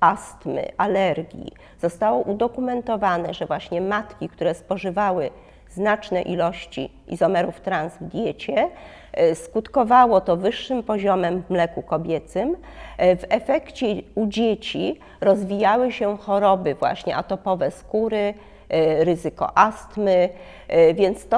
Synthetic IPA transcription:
ast̪mɘ̰ʔalɛɾɡʲjḭ | z̥ɔst̪awɔʔud̪ɔkumɛnt̪ɔvanɛʐɛvwaɕɲɛmat̪kʲikt̪uɾɛspɔʐɘvawɘ | znat͡ʂnɛʔilɔɕt͡ɕḭ | ḭzɔmɛɾuft̪ɾãnzvd̪ʲjet͡ɕɛ | skut̪kɔvawɔt̪ɔvɘʂːɘmpɔʑɔmɛmvmlɛkukɔbʲjɛt̪sɘmvɛfɛkt͡ɕɛud͡ʑet͡ɕi | ɾɔzvʲijawɘɕɛxɔɾɔbɘvwa̰ɕɲɛ̰ʔat̪ɔpɔvɛskuɾɘ | ɾɘzɘkɔ̰ʔast̪mɘ | vʲjɛnt̪st̪ɔ

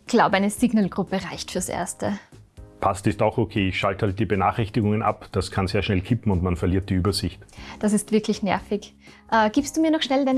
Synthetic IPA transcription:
ɡ̥laʊbəaɪnəsiːɡnəlɡʁʊpəʁaɪçtfyːɐsʔḛɐstə | pʰastɪstaʊxokʰeːɪçʃalthalt̚d̥iːbənaːχɪçtɪɡʊŋəna̰pd̥askʰanz̥eːɐʃnɛlkʰɪpm̩ʊntmanfɛɐliːɐt̚d̥iːyːbɐzɪçtd̥asɪstv̥ɪɐkʰlɪçnɛ̰ɐfɪç | ʔɛːɡ̥iːpstd̥uːmiːɐnɔχʃnɛldaɪn

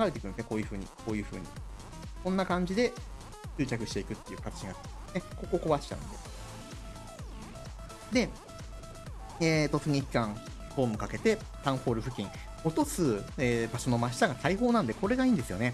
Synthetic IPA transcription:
aɡaɾeekɯnenekoːjɯ̟ɸɯ̟ːɲ̟ḭko̞ːjɯ̟ːɸɯ̟̰ːɲ̟ḭ | kõ̞nːakãɲ̟d͡ʑid̪e̞ | ɕɨ̟ːt͡ɕakɯ̟ɕi̥t̪e̞ikɯ̟t̪ːe̞jɯ̟ːkat̪ḁt͡ɕiɡḁneko̞ko̞ko̞βaɕi̥t̪a̰nd̪e | d̪e̞ | eːt̪o̞t͡sɨɲiikːãŋ | ɸo̞ːmɯ̟kake̞t̪e̞ | t̪ãɰ̃ɸo̞ːɾɯ̟ɸɯ̟kʲĩŋ̃ | o̞t̪o̞sɨeːbaɕo̞no̞maɕ̬i̥t̪aɡat̪aiɦo̞ːnãnd̪e̞ko̞ɾe̞ɡaĩːnd̪e̞sɨjo̞̰ne̞

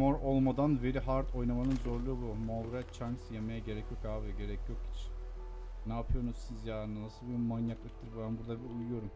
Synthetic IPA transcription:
mo̞ɾo̞lˠmad̪anve̞ɾiɦaɾt̪ʰo̞jnamanɯnzo̞ɾlˠuːbumolɾɛt͡ʃʰaŋksjemejaɟe̞ɾɛcjo̞kaːviɟe̞ɾɛcʰjo̞kit͡ʃ | naːpʰɯjo̞ɾnuz̥sizjaːɾɯnanasɯlˠbimanjaklˠɯk̚t̪ʰɯɾbænbuɾd̪abiujujo̞ɾum

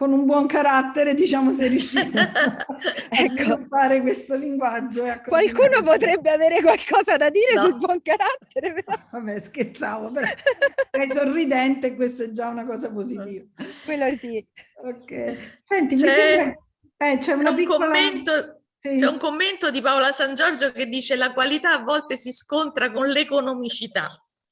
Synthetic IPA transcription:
konumbwɔŋkaɾat̪ːeɾed̪it͡ʃaːmoserːjuʃːi | aɛskːt̪aːɾekwest̪oliŋɡwad͡ʒːoeakːokwalkuːnopot̪ɾɛbːeaveːɾekwalkɔːzad̪ad̪iːɾesulbwɔŋkaɾat̪ːeɾepeɾɔvabːɛsket̪saːvopeɾɔ | ɛsorːid̪ɛnt̪eːkwest̪oɛd͡ʒːaunakɔːzapozit̪iːvakwelːodiːokːɛsɛnt̪it͡ʃmiɛia | ɛt͡ʃɛunapikoːlːent̪o | sit͡ʃɛuŋkomːent̪od̪ipaolasand͡ʒɔrd͡ʒoked̪ːiːt͡ʃelakwalit̪aːvːɔlt̪esiskont̪ɾakonlekonomit͡ʃit̪a̰

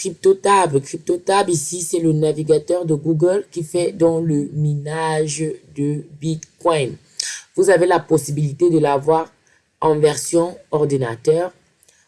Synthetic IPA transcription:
kχip̚t̪ot̪ablkχip̚t̪ot̪ablisisɛlənaviɡat̪œʁd̪əɡuɡəlkʲifɛd̪ɑ̃ləmenaʒd̪əbit̪kɔjn | vuzavelapɔsibilit̪ed̪əlavwaʁ | ɑ̃vɛʁsjɔ̃ɔʁd̪inat̪œːʁ

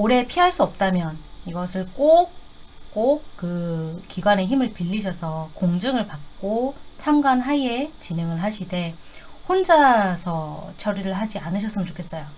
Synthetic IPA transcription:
oɾe̞pʰiɦaɭs͈uʌp̚t͈amjʌniɡʌsʰɯɭk͈ok̚ | k͈ok̚k͈ɯkiɡwane̞çimɯɭpiʎːid͡ʑʰʌsʰʌkoŋd͡ʑɯŋɯɭpak̚k͈ot͡ɕʰamɡwanɦaet͡ɕineŋɯɭɦaɕʰide̞ | hond͡ʑasʰʌt͡ɕʰʌɾiɾɯɭɦad͡ʑianɯɕʰʌs͈ɯmɯnt͡ɕokʰes͈ʌjo

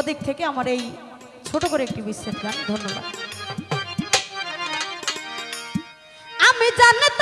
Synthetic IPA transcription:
od̪ik̚t̪ʰekeamaɾej | t͡ɕʰoʈokoɾeek̚ʈibisɾet̪land̪ʱonːoba̰d̪ | amid͡ʑanːet̪

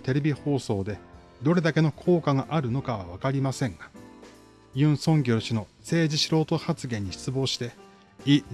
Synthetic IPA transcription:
t̪e̞ɾe̞bʲiho̞ːso̞ːd̪e̞ | d̪o̞ɾe̞d̪ake̞no̞kʰo̞ːkaɡaʔaɾɯ̟no̞kaβa̰β̞akaɾʲimasẽ̞ŋɡa | jɯ̟̃ɰ̃sõ̞ŋɡʲo̞ːɕino̞se̞ːd͡ʑiɕiɾo̞ːt̪o̞hat͡sɨɡẽ̞ɲ̟ːiɕi̥t͡sɨbo̞ːɕi̥t̪e̞ | i

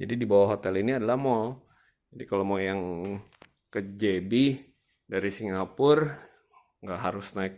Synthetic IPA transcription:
d͡ʒadidibawaɦot̪ɛliniadalahmɔl | d͡ʒadikalomojaŋ | kəd͡ʒebi | daɾisiŋɡapʊr | ŋɡaʔɦaɾʊsnaɪk̚

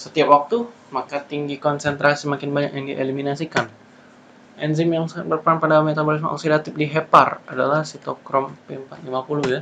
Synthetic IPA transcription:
sət̪iap̚wak̚t̪u | makat̪iŋɡikɔnsɛnt̪ɾasimakɪnbaɲa̰k̚jaŋdiʔeliminasikan | ʔɛnzɪmjaŋsabərpəɾanpadamet̪abolis̬ma̰ʔo̰ksidat̪ɪp̚diɦepara̰dalahsit̪okɾɔmpɛmpat̪̚limapulʊhja

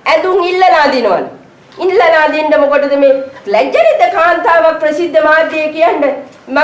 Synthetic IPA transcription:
æd̪uŋilːɐlaːd̪inuʋa̰n | ilːɐlaːd̪iɳɖəmukoʈɐd̪ɐmelæd͡ʒɐnid̪ːɐkaːnt̪aːʋak̚pɾɐsid̪ʱːəmaːd̪ːejekijaɳɖɐ | mɐ

